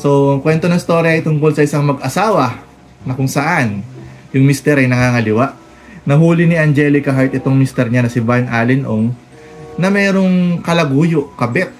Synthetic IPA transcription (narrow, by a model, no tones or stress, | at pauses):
so̞kwɛnt̪oɐŋɪst̪o̞ːɾjɐːjt̪ʊŋko̞lsɐʔɪsaŋmɐɡɐsaːwɐ | nɐkʊŋsɐʔanjʊŋmist̪ɛɾɐjnɐŋaːŋɐlɪwaʔ | nɐɦuːlɪnɪʔɐnd͡ʒɛlɪkɐɦajt̪̚ʔɛt̪o̞ŋmist̪ɛɾɲanɐsɪbanʔaːlɪnʔoŋ | nɐmɛːɾo̞ŋkɐlɐɡuːjoʔkɐbɛt̪̚